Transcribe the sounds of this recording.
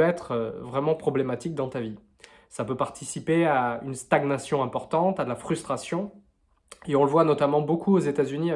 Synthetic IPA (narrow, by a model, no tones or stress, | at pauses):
ɛt̪χøvʁɛmɑ̃pχɔblemat̪ik̚d̪ɑ̃t̪avi | sapøpaʁt̪isipeaynst̪aɡnasjɔ̃ɛ̃pɔʁt̪ɑ̃t̪ad̪əlafχyst̪χasjɔ̃ | eɔ̃ləvwanɔt̪amɑ̃bokʰuozet̪azynia